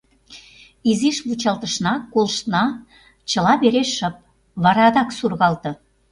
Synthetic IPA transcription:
iziʃβut͡ɕɑlt̪ə̆ʃnɑkolʃnɑ | t͡ɕə̆lɑβeɾeʃəp̚ | βɑɾɑd̪ɑksurɣɑlt̪ɤ̆

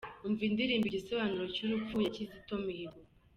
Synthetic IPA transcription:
uɱvindiɾiːmbiɟisoβanuɾocuɾup͡fujacizitomihiɾo

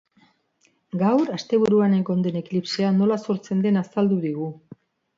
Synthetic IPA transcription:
ɡawɾast̪e̞β̞uɾuaneko̞nd̪e̞ne̞klipseano̞laso̞ɾt͡se̞nd̪e̞nasald̪uðiɣ̞u

